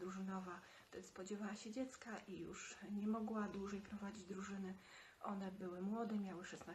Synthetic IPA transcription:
d̪ɾuʐɘnɔva | ɛspɔd͡ʑɛvawaɕɛd͡ʑɛt̪skaʔijṵʂɲɛmɔɡwad̪wuʐɛjpɾɔvad͡ʑid͡ʑd̪ɾuʐɘnɘ | ʔɔnɛbɘwɘmwɔd̪ɛmʲjawɘʂɛsna

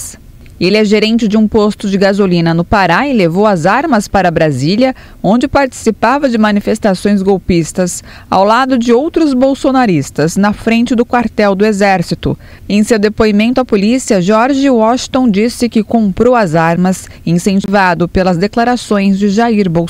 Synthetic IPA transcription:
s | elɪɛʒeɾẽnt͡ʃɪd͡ʒɪũpost̪ʊd͡ʒɪɡazolĩnɐnʊpaɾaɪlevowɐzaɾmɐspaɾɐbɾaziljɐ | õnd͡ʒɪpaɾt͡ʃi̥sipavɐd͡ʒɪmɐnifest̪asõj̃zɡowpist̪ɐs | a̰wlad̪ʊd͡ʒɪowt̪ɾʊzbowsonaɾist̪ɐznɐfɾẽnt͡ʃɪd̪ʊkwaɾt̪ɛwd̪ʊezɛɾsit̪ʊ̰ | ẽj̃sewd̪epoimẽnt̪ʊɐpolisiɐʒɔɾʒɪwɔʃt̪õd͡ʒisɪkɪkõmpɾowɐzaɾmɐs | ĩsẽt͡ʃivad̪ʊpelɐzd̪eklaɾasõj̃zd͡ʒɪʒaiɾbow

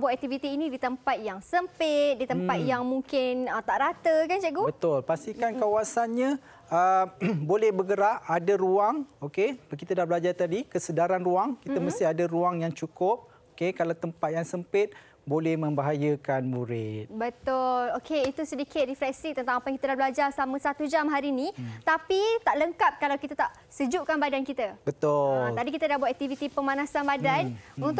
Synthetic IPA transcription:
bat̪ɛk̚t̪ivit̪iːnĩdit̪əmpat̪̚jaŋsəmpɪt̪̚dit̪əmppat̪̚jaŋmuŋkɪnət̪aʔɾat̪əkand͡ʒaɡubət̪ʊlpast̪ikankawasanɲã | əbolɛhbəɡəɾaʔadaɾuaŋokeəkit̪ədahbəlad͡ʒart̪adikəsədaɾanruaŋkit̪əməst̪ɪɦadaɾuaŋjaŋt͡ʃukʊp̚ | okekalawt̪əmpat̪̚jaŋsəmpɪt̪̚ | bolɛhmə̃mbaɦajəkanmuɾɪt̪̚bət̪ʊlokʰeit̪usədikɪt̪̚rifɾɛk̚sit̪ənt̪ãŋapajaŋkit̪adahblad͡ʒarsamə̃sat̪ud͡ʒamɦaɾinĩt̪apit̪aʔləŋkap̚kalawkit̪at̪aʔ | səd͡ʒuʔkanbadankit̪abət̪ʊat̪adikit̪ədahbuat̪ʔɛk̚t̪ivit̪ipəmanãsanbadanunt̪

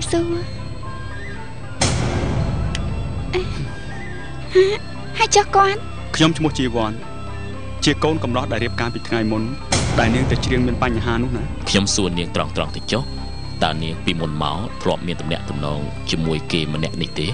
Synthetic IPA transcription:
suə | ʔə | haː | hajt͡ɕohkŏən̚ | kʰɲomt͡ɕʰmʊ̆əht͡ɕiːʋŏən | t͡ɕiəkoːnkɑmlɑhɗaɛlɾiəp̚kaːpiːt̪ʰŋajmun | ɗaɛlniəŋt̪ɛt͡ɕriəŋmiənpaɲːɦaːnʊ̆əhnaː | kʰɲomsuːəniəŋt̪rɑŋt̪rɑŋt̪at͡ɕoh | t̪aəniəŋpiːmunma̰ɔt̪ʰlŏəp̚miənt̪umnɛ̆əʔt̪umnɔːŋ | t͡ɕiəmuəjkeːmənɛ̆əʔniht̪eː

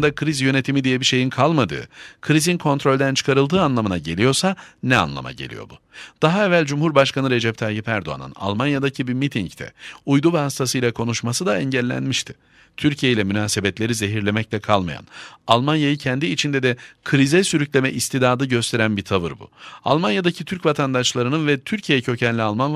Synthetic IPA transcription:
nd̪akʰɾizjø̞ne̞t̪ʰimid̪ijɛbiʃe̞jinkʰalˠmad̪ɯ̰ːkʰɯɾizinkʰo̞nt̪ɾo̞lʲd̪ænt͡ʃʰɯ̥kʰaɾɯlˠd̪ɯːanlˠamɯnaɟe̞lʲijo̞ɾsanɛa̰nlˠa̰ma̰ɟelʲḭjo̞̰bu | d̪̥aɦaɛvælʲd͡ʒumhuɾbaʃkanɯɾe̞d͡ʒɛp̚t̪ʰaːjipæɾd̪o̞a̰nɯ̰na̰lˠmanjad̪acʰibimit̪ʰiɲct̪ʰɛ̰ujd̪uvɛhast̪ʰasɯjlʲˠakʰo̞nuʃmasɯd̪aɛɲɟælʲːæ̰nmiʃt̪ʰɪ̥ | t̪ʰyɾcʰijejilʲɛmynaːsebɛt̪lʲe̞ɾize̞ɦiɾlʲe̞mɛc̚lʲɛkʰalˠma̰ja̰nalˠmanjajɯcʰɛnd̪iːt͡ʃʰind̪ɛd̪ɛkʰɯɾizɛsyɾyclʲe̞mɛʔist̪ʰid̪aːd̪ɯɟø̞st̪ʰe̞ɾænbit̪ʰavɯɾbṵa̰lˠmanjad̪acʰit̪ʰyɾcvat̪ʰand̪aʃlˠaɾɯnɯnvɛt̪ʰyɾcʰijejɛcʰø̞cʰɛnlʲialˠmanˠ

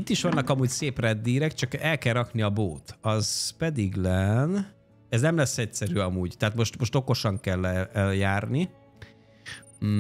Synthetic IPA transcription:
it̪ːiʃʋɒnːɒkɒmuːcseːprɛd̪ːiːɾɛkt͡ʃɒkɛlkɛlrːɒkniɒboːt̪ɒz̥pɛd̪iɡlɛn | ɛznɛmlɛsːɛcsɛɾyɒmuːɟt̪ɛɦat̪mo̞ʃt̪mo̞ʃt̪o̞ko̞ʃɒŋkɛlːɛɛljaːrni

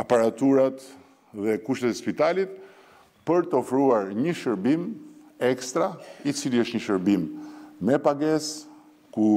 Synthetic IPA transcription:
apaɾat̪uɾat̪ | ðɛkuʃt̪ɛt̪ɛspit̪alit̪̚ | pəɾt̪əɔfɾuaɾɲəʃəɾbimɛkst̪ɾait͡siliəʃt̪ɲəʃəɾbimːɛpaɡɛs | ku

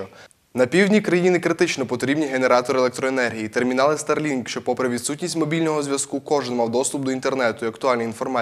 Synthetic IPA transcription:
ɔ | nɐpʲiwdʲnʲikɾɐjinɪkɾɪt̪ɪt͡ʃnɔpɔt̪ɾʲibnʲiɦe̞ne̞ɾɑt̪ɔɾɪelˠɛk̚t̪ɾɔenɛrɦʲijit̪ermʲinɑlˠɪst̪ɐrlʲinkʃt͡ʃɔpɔpɾɛʋʲid̪sutʲnʲisʲtʲmɔbʲilʲnɔɦɔzʲʋjɐskukɔʒɪnmɑwd̪ɔst̪ʊp̚d̪ɔint̪ernɛt̪ʊiɐkt̪ʊɑlʲniinfɔrmɑ

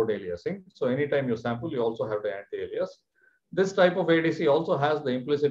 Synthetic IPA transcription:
oɖeːliəsɪ̃ŋsoːɛniʈãɪ̃mjɔːɾsæ̃mpəljuɔːlsoːɦæʋʈiæ̃ɳʈieːliəs | d̪ɪsʈaɪpɔʋeːɖisiɔːlsoːɦæzd̪əɪ̃mplɪsɪ

